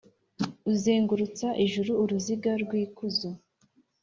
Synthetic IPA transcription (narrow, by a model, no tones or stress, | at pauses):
uzeːŋɡuɾut͡saʔiʒuɾuːɾuziɡaɾɡwiːkuzu